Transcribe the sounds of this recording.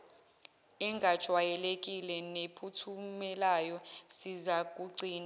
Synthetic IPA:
ɛŋɡʱad̥ʒ̥ʱwajɛlek̬ʼilɛnepʰutʰumɛlajɔsizak̬ʼuǀʱiːna

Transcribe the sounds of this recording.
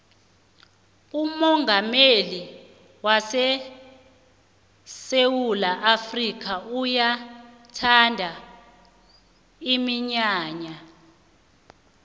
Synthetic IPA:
umɔŋɡʱameli | wasɛ | sewulaʔafrikʰauja | tʰandʱa | imiɲaːɲa

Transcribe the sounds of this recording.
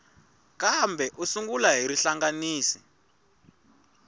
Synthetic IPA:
kambɛʔusuŋɡulaɦiɾiɬaŋɡaniːsi̥

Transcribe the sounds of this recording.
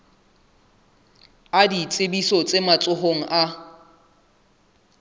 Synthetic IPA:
adit͡sʼebisɔt͡sʼemat͡sʼʊɦoŋ̩ʔa

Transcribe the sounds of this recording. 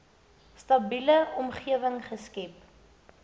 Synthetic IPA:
stɐbiləɔmχiəvəŋχəskɛp̚

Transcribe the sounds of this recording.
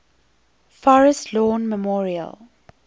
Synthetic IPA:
fɔɹəstʰlɔːnməmɔːɹiə̰l

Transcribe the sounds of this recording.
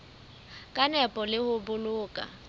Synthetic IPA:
kʼanɛpʼɔlɪhʊbʊlʊːkʼa̰

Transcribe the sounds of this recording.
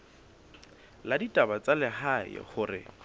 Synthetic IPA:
laditʼabat͡salɪhaɪ̰χʊrɪ̰

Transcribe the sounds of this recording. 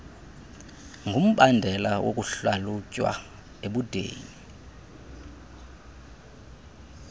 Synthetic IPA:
ŋɡʱum̩ɓandʱɛlawokʼuɬalucʼwa̰ | eɓud̥ʱḛːɲi

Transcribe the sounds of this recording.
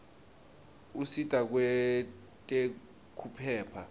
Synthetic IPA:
usitʼak̬wɛ | tʼe | kʰupʰɛːpʰa

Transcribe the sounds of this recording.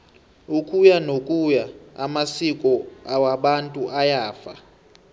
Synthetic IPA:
ukʼujanokʼujaa̰masikʼɔawaɓantʼuʔajaːfa

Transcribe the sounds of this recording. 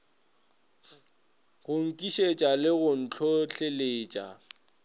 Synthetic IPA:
ɣʊŋ̩kʼiʃet͡ʃʼalɪɣʊn̩t͡ɬʰʊɬʰeleːt͡ʃʼa̰

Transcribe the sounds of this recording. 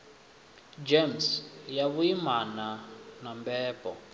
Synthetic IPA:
d͡ʒemsjaβuimananambɛːpɔ̰

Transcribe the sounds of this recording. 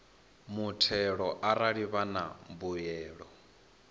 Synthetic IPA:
mutʰɛɺɔʔaɾaɺiβana̰mbujɛːɺɔ

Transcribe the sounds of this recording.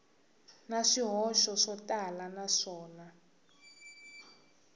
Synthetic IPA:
naʂiɦɔʃɔʂɔtʼalanaʂɔːna

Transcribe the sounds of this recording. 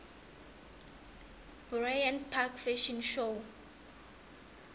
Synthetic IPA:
burajãnpʰakfɛʃɔ̃nʃo

